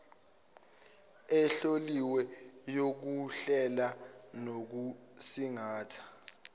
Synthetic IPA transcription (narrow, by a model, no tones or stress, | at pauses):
ɛɬoliwɛjok̬uɬɛlanok̬u | siŋaːtʰḁ